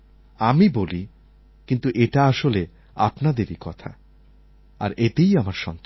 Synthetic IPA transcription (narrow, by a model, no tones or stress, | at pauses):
amiboli | kint̪uʔeʈaaʃole | a̰pnad̪eɾikɔt̪ʰa̰ | a̰ɾet̪ejamaɾʃɔnt̪o